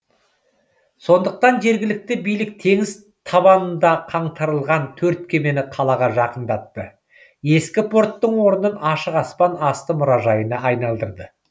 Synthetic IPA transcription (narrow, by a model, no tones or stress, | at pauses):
so̞nd̪əq̚t̪ɑnʒe̞ɾɡʲɪlɪk̚t̪ɪbijlɪk̚t̪ʰe̞ŋɪz | t̪ʰɑβɑnənd̪ɑqʰɑɴt̪ʰɑɾəlˠʁɑnt̪ʰɵɾt̪̚kʲʰe̞me̞nɪqʰɑlˠɑʁɑʒɑqənd̪ɑt̪ːə | e̞skʲɪpʰo̞ɾt̪ːəɴwo̞ɾənənɑʃəqɑspɑnɑst̪əmʊɾɑʒɑjənɑɑjnɑlˠd̪əɾd̪ə